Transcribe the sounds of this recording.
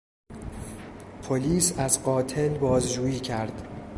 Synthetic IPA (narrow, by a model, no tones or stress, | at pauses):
pʰoliːsæzɢɒːt̪ʰe̞lbɒːzd͡ʒuːjiːcʰæɾd̪̥